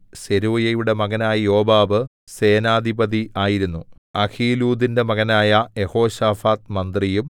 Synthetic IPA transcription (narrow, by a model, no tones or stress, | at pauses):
se̞ɾuːɐjɐjuɽe̞mɐɣɐnaːjijo̞ːbaːbɨ | se̞ːnaːd̪ʱibɐðiʔaːjiɾunːu | ɐkʰiːluːd̪inde̞mɐɣɐnaːjɐjeho̞ːɕaːfaːt̪mɐnd̪rijum